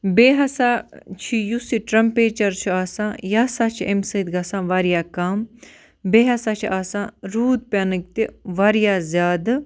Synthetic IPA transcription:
beːɦɐsaːt͡ʃʰijusiʈɾɐmpeːt͡ʃɐɾt͡ʃʰiaːsãːjaːsaːt͡ʃʰiemsɐt̪ɡɐsãːʋaːɾjaːkaːm | beːɦɐsaːt͡ʃʰiʔaːsãːɾuːd̪̚pʲaːnɨk̚t̪iʋaːɾjaːzʲjaːd̪

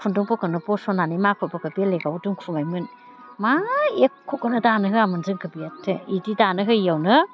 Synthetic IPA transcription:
kʰundɔŋpɔkɯnɯpɔsɔnanimakʰɔpɔkɯbijaleɡawduŋkʰumajmɯn | maekʰːɔkɯnɯdanɯɦɯamɯnzɯŋkɯbijatʰːeididanɯɦɯjawnɯ

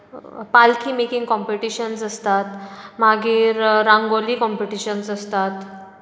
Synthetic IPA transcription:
palkʰiːmekiŋɡkɔ̃mpeʈiɕənsəst̪at̪maɡiːɾːãŋɡoliːkɔmpeʈiɕənsəst̪at̪

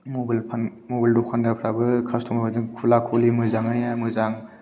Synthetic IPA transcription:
mobalpʰanmobaldɔkʰandapʰɾabɯkʰastʰɔmabadɯkʰulakʰolimɯzaŋɯjamɯzaŋ

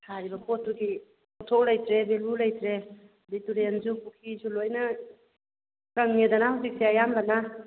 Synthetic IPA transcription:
hʰaɾibɐkʰotːuɡi | ɔtʰɔk̚lajtɾebelulajtɾe | bituɾenzupukʰizulojna | ɾaŋːedanahawzik̚seajamlana

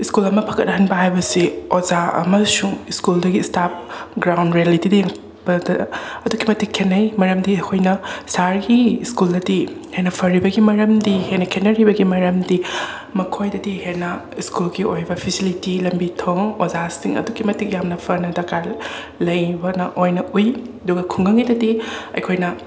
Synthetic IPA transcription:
iskulɐmɐpʰɐ̥kɐt̚nɐɦɐnbɐɦajbɐsiozaɐ̰mɐsuŋiskuldɐɡistap̚ɡɾawndɾijalitidɐjeŋ | bɐdɐɐduɡimɐtikʰːenːɐjmɐɾɐmdiɐkʰojnɐsaɾɡiːskuldɐdihenɐpʰɐɾibɐɡimɐɾɐmdihenɐkʰenːɐɾibɐɡimɐɾɐmdi | mɐkʰojdɐdihenɐiskulɡiojbɐpʰisilitilɐmbitʰoŋozasiŋɐ̰duɡimɐtik̚jamnɐpʰɐɾnɐdɐka | lɐjbɐnɐʔojnɐujɐduɡɐkʰuŋɡɐŋidɐdiɐ̰jkʰojnɐ

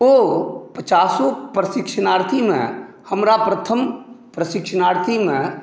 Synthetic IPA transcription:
opət͡ʃaːsõpɾɐsɪkʃənaːɾt̪ʰimḛ̃ | hɐmɾapɾət̪ʰəmpɾəsɪkʃənaːɾt̪ʰimẽ

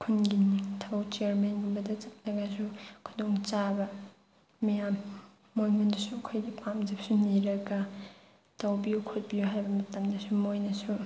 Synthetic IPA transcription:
kʰunɡinitʰɐwt͡ʃeaɾmenɡumbɐdɐt͡ʃɐt̚nɐɡɐsukʰudoŋt͡ʃabɐ | mɐjamː | ojŋundɐsuɐkʰojɡipʰamzep̚suniɾɐɡɐ | tɐwbiukʰot̚bijuɦajbɐmɐtɐmdɐsumojnɐsu

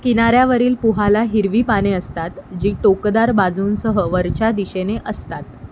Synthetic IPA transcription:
kinaɾjaʋəɾiːlpuɦalaɦiɾʋiːpañeəst̪at̪d͡ʑiːʈokd̪aɾbad͡zuːnsəɦəʋəɾt͡ɕad̪iɕeneʔəst̪at̪̚

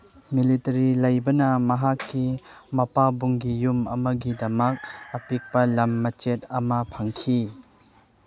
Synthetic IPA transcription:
militɐɾilɐjbɐnɐmɐɦakːimɐpabuŋɡijumɐmɐɡidɐmɐk̚ɐpik̚pɐlɐmːɐt͡ʃet̚ɐmɐpʰɐŋkʰi

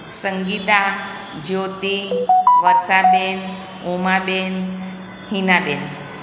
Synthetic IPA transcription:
səŋɡit̪a | d͡ʑowt̪iʋəɾsaben | omaben | hinaben

